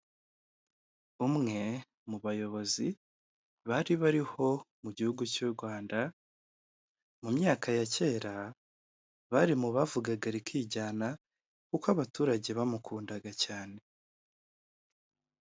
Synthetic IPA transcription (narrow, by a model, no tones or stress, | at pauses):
umŋe̞ | muβajo̞βo̞zi | βaɾiβaɾiho̞muɟihuɡucuːɾɡwaːnda | mumɲaːkʰajace̞ːɾa | βaɾimuβavuɡaɡaɾikʰiːɟaːna | kukwaβatuːɾaɟe̞βamukʰuːndaɡacaːne̞